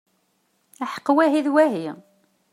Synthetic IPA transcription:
aħə̥qːwæɦiðwæɦi

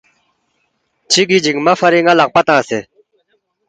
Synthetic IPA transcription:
t͡ɕʰiɡid͡ʑik̚mafʰaɾiŋalaʔ̚pat̪ãŋse

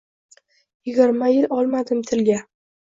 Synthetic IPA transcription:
jɪɡʲɪɾmajɪlʔɒlˠmad̪ɪmt̪ʰɪlɡʲa

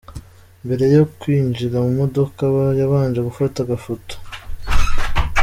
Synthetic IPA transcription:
mbe̞ɾe̞jo̞kwiːnd͡ʒiɾamumo̞do̞kaβajaβaːnd͡ʒeɡufataɡafoto̥

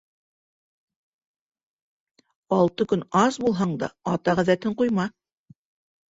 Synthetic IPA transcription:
ɑlˠt̪ɤkɵnɑsbulˠɦɑɴd̪ɑ̰ɑt̪ɑʁæðæt̪ɘɴqujmɑ

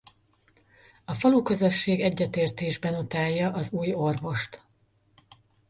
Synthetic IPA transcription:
ɒfɒlukøzø̞ʃːeːɡɛɟːɛt̪eːrt̪eːʒbɛnot̪aːjːɒʔɒzuːjo̞rvo̞ʃt̪

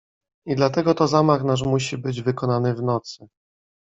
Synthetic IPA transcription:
id̪lat̪ɛɡɔt̪ɔzamaxnaʂ̬muɕibɘd͡ʑvɘkɔnanɘvnɔt̪sɘ

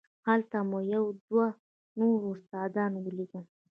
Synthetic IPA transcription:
halt̪amojawd̪wa | noɾʊst̪ɑd̪ɑnwəliɡə

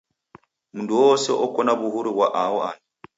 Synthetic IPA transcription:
munduwɔsɛ̰ʔɔkɔnaβuhuɾiβwaʔawɔaɲi

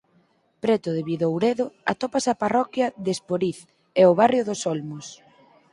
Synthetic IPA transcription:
pɾet̪ʊðeβiðoowɾeðʊat̪opasɐparɔkjɐðespoɾiθ | ɛoβ̞arjoðosolmos

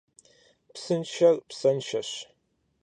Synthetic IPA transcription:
psɨnʃɐrpsɐnʃɐɕ

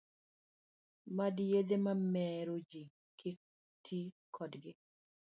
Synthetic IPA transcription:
madjed̪emamɛɾod͡ʒi | kʰɪ | tʰikʰɔdɡɪ

